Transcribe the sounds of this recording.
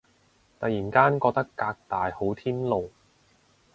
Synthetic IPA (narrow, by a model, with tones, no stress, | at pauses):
t̪ɐ˨jiː˨˩nkaː˥nkɔː˧k̚t̪ɐ˥kːaː˧k̚t̪aː˨jho˨˥wt̪ʰiː˥nlo˨˩w